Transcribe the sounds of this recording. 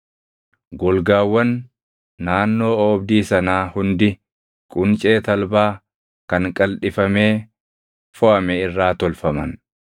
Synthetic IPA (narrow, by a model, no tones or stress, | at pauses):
ɡɔlɡaːwːɐnː | aːnːo̞ːɔːbd̪iːsɐnaːhʊnd̪ɪ | kʼʊnt͡ʃʼe̞ːt̪ɐlbaː | kɐŋkʼɐlᶑɪfɐme̞ː | fɔʔɐmɛɪrːaːt̪ɔlfɐmɐn